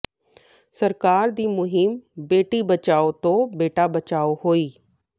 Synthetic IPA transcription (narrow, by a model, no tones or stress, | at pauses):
səɾkaːɾd̪iːmʊɦɪmbeːʈiːbət͡ʃaːot̪õːbeːʈabət͡ʃaːohoːiː